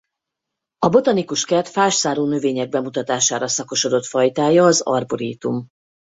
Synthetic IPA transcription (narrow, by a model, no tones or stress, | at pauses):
ɒbo̞t̪ɒnikuʃkɛrt̪faːʃsaːɾoːnøveːɲɛɡ̚bɛmut̪ɒt̪aːʃaːɾɒsɒko̞ʃo̞d̪o̞t̪fɒjt̪aːjɒːzɒ̰rboɾiːt̪um